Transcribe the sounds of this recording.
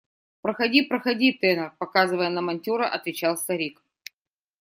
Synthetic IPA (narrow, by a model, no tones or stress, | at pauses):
pɾəxɐdʲipɾəxɐdʲit̪ɛnərpɐkazɨvəjənəmɐnʲtʲoɾəʔɐt̪vʲɪt͡ɕalˠst̪ɐɾʲik